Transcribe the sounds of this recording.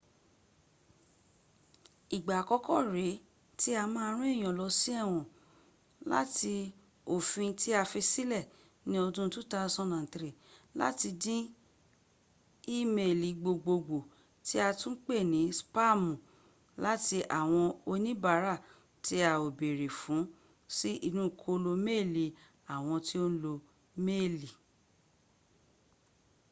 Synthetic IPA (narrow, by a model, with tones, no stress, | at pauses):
i˨ɡ͡ba˨kɔ˧˦kɔ˦˨ɾe˨˦ | ti˦a˧mãː˦˧˦ɾ̃ũ˦e˦˨j̃ɔ̃˨lɔ˧˦si˦ɛ˦˨w̃ɔ̃˨ | la̰˦ti˧ | o˨fĩ˧ti˦a˧fi˧si˦lɛ˦˨ | nĩ˨˦oɔ˧dũ˦tũ˦ta˧˦˧sɔ̃˦nã˨n̩˨tɾi˨la̰˦ti˧dĩ˦ | i˦me˨li˨ɡ͡bo˨ɡ͡bo˧ɡ͡bo˨ | ti˦a˧tũ˦k͡pe˦˨nĩ˨˦spa˦˨mũ˨ | la˦ti˧ʔa˨w̃ɔ̃˧o˧nĩ˦ba˨˦ɾa˦˨ | ti˧˦a˧o˨be˨ɾe˨fũ˨˦ | si˦ʔi˦˧nũ˦˨kʰo˦lo˧me˦˨li˨ | a˨w̃ɔ̃˧ti˦o˦n̩˦lo˧ | me˦˨li˨